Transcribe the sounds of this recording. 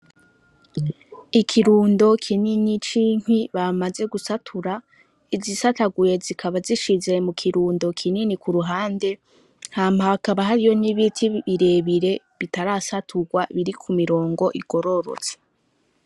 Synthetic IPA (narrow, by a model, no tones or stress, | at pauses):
ikʰiɾuːndo̞kʰininit͡ʃiːŋ̥wiβamaze̞ɡusatʰuɾa | izisataɡuje̞zikʰaβaziʃize̞mukʰiɾuːndo̞kʰininikuɾuɦaːnde̞ | n̥haːm̥haakaβaɦaɾijo̞niβitʰiβiɾe̞βiɾe̞ | βitaɾaːsatʰuɡwaβiɾikʰumiɾo̞ːŋɡo̞ʔiɡ̥o̞ɾo̞ɾo̰t͡se̥